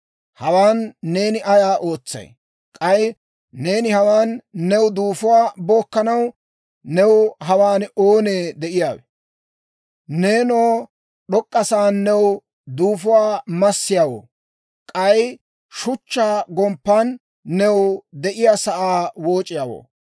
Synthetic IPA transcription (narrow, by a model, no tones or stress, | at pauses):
hɐwaːnːe̞ːnɪʔɐjaːʔo̞ːt͡sːɐ̰j | kʼɐj | ne̞ːnɪhɐwaːnːɛwd̪uːfʊwaːboːkːɐnɐw | nɛwɦɐwaːnoːneːd̪ɛʔɪjaːwɛ | neːnoː | ɗɔkʼːɐsaːnːɛw | d̪uːfʊwaːmɐsːɪjaːwo̰ː | kʼɐj | ʃʊt͡ʃːaːɡɔmpːanː | ɛwd̪ɛʔɪjaːsɐʔaːwo̞ːt͡ʃʼːɪjaːwo̰ː